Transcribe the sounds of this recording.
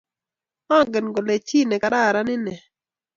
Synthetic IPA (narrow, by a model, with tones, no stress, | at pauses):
ɔ˦ŋɡe˨nɡo˨le˨t͡ʃi˦˨nɛ˨ka˨ɾa˦˨ɾa˦nɪ˦nɛ˨